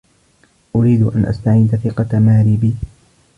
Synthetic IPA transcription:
ʔʊɾiːd̪ʔa̰nʔa̰st̪aʕiːd̪aθɪqɑmaːɾibiː

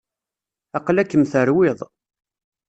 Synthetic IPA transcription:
ɑqlækːəmθəɾwɪðˤ

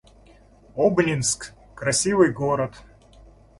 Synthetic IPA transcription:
obnʲɪnsk | kɾɐsʲivɨjɡoɾət̪

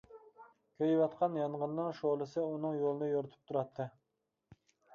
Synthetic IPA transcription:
kʲʰøjwɑt̪qʰɑnjɑnʁənːɨŋʃolˠɨsɨunɨŋjolˠɨnɨjoɾɨt̪ʰu̥p̚t̪ʰuɾɑt̪ʰːɨ

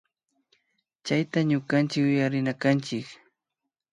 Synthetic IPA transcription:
t͡ʃajt̪aɲʊkant͡ʃɪkʊjaɾɪnakant͡ʃɪk

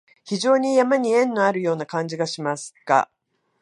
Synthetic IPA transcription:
çiʑo̞ːɲ̟ijamaɲ̟iẽ̞nːo̞aɾɯ̟jo̞ːnakãɲd͡ʑiɡaɕimasɨ̥ka̰

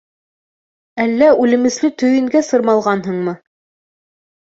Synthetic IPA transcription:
ælːæʉlɘ̆mɘ̆slɘt̪ɵ̆jɘ̆ŋɡæsɤ̆ɾmɑlˠʁɑnɦɤ̆ɴmɤ

